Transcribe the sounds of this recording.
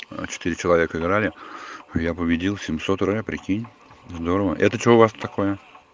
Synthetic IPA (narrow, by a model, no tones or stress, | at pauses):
t͡ɕɪ̥t̪ɨɾʲɪt͡ɕɪlˠɐvʲe̞kəɪɡɾalʲɪjapəbʲɪdʲilˠsʲɪmso̞t̪rojʲapɾʲɪkʲinʲ | zd̪o̞ɾəvəʔɛ̰t̪ət͡ɕoʊvast̪ɐko̞jə